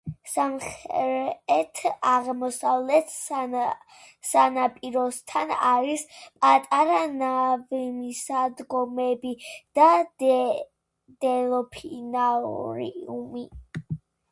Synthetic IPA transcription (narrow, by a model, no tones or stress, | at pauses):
samχɾɛt̪ʰaʁmɔsavlɛt̪ʰ | sanapʼiɾɔst̪ʰanaɾispʼat̪ʼaɾanavimisad̪ɡɔmɛbid̪̥a | d̪̥ɛlɔpʰinaɾḭumi